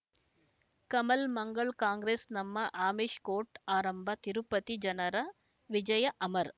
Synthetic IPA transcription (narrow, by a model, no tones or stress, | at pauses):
kɐmɐlmɐŋɡɐɭkaːŋɡɾeːsnɐmːɐʔaːmiːʂkoːɾʈaːɾɐmbʱɐt̪iɾupɐt̪id͡ʒɐnɐɾɐ | ʋid͡ʒɐjɐʔɐmɐɾ